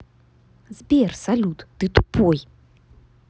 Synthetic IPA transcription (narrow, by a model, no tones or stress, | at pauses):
zbʲersalʲut̪d̪ɨt̪u̥pʰoj